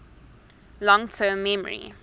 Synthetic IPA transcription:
lɔ̃ŋtʰɜ̃ːmːɛmə̰ɹḭ

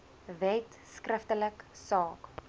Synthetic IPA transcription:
vɛt | skrəftələksɑːk

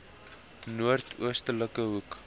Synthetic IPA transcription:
nuərtʰṵəstələkəɦuk

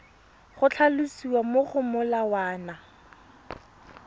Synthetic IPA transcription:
χʊt͡ɬʰalʊsiwamoχʊmʊlawaːna

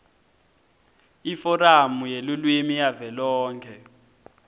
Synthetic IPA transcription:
ifɔramujelulwimijavɛlɔːŋkʰɛ

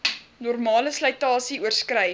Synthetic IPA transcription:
nɔrmɑːləslœjtɑːsiuərskrɛj

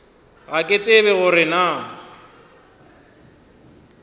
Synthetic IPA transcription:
ɣakʼet͡sʼɪβɛɣʊɾɪna

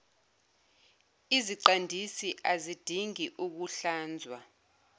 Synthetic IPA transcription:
iziǀandʱisiʔazid̥ʱiŋiʔuk̬uɬaːnd͡zʱwa

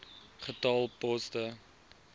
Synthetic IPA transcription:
χətɑːlˠpɔstə

